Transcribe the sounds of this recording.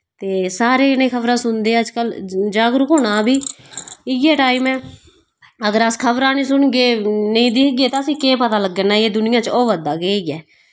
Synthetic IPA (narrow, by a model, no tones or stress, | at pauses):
t̪eːsaːɾeːɪnẽːkʰəbɾãːsʊnd̪eːəd͡ʒkəld͡ʒaːɡɾʊkoːɽaːbiːɪɡɛːʈaːimɛ̃ː | əɡəɾəskʰəbɾãːnĩːsʊɳɡeːnəĩːd̪ɪːkɡeːt̪ãːəsĩːkeːpət̪aːləɡːənaːeːd̪ʊnɪjãːt͡ʃoːʋəd̪aːɡeːiːɛː